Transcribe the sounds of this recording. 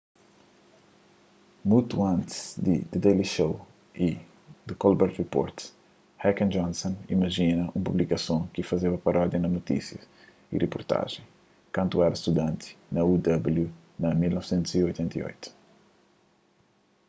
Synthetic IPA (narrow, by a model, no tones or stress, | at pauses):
mut̪uɐ̃nt̪i̥z̥d̪ḭd̪̥id̪eliʃow | i | d̪ukɔlbɛɾt̪ripɔ̰ɾt̪ | hɛkɐ̃nd͡ʒɔ̃nsõnḭmɐʒinɐʔũmpublikɐsõkifɐzevɐpɐɾʔɔd̪jɐnɐnot̪ḭsjɐ | ḭrepuɾt̪a̰ʒẽj̃ | kɐ̃nt̪uɛɾɐst̪ud̪ɐ̃nt̪i̥nɐud̪ɐbulju | nɐmilnɔvsẽnt̪uziojt̪ẽnt̪ɐḭo̰jt̪u̥